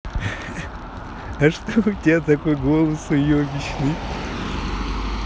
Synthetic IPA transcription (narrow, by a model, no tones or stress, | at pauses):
ɐʂt̪oʊtʲɪat̪ɐkojɡolˠəsʊjobʲɪɕnɨ